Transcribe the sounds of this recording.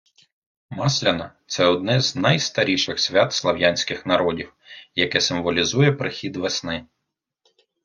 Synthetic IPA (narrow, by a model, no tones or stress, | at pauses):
mɑslʲɐnɐt̪sɛɔd̪̚nɛzʲnɐjst̪ɐɾʲiʃɪxsʲʋʲɑt̪slˠɐʋjanʲsʲkɪxnɐɾɔdʲiw | jɐkɛsɪmʋɔlʲizujɛpɾɪxʲid̪ʋesnɪ